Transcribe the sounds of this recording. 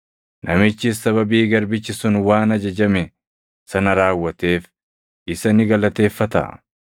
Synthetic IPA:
nʔɐmɪt͡ʃːɪsːɐβɐbiːɡɐɾbɪt͡ʃːɪsʊnwaːnɐd͡ʒɐd͡ʒɐmɛ | sɐnɐɾaːwːɐt̪eːf | ɪsɐnɪɡɐlɐt̪e̞ːfːɐt̪ɐ̰

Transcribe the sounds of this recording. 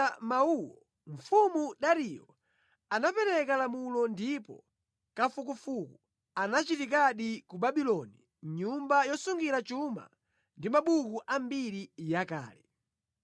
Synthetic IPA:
mauwɔ | ɱ̩fumuɗaɾijɔ | anapɛɾɛkalamulɔndipɔ̰ | kafukufuku | anat͡ʃitik̬aɗikubaɓilɔni | ɲumbajɔsuŋɡiɾat͡ʃuma̰ | ndimaɓukuʔambiɾijaka̰ːlɛ

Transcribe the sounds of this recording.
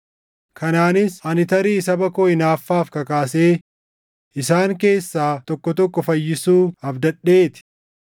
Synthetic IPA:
kʰɐnaːnɪsɐnɪt̪ɐɾiːɪsɐbɐkoːɪnaːfːaːfkɐkaːse̞ː | ʔɪsaːŋke̞ːsːaːt̪ɔkːɔt̪ɔkːɔfɐjːɪsuːɐfd̪ɐᶑeːt̪ɪ̥

